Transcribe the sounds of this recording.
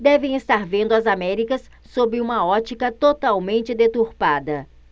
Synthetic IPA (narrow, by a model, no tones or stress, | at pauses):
d̪ɛvẽj̃est̪aɾvẽnd̪ʊɐzamɛɾikɐs | sobɪũmɐɔt͡ʃikɐt̪ot̪awmẽnt͡ʃɪd̪et̪uɾpad̪ɐ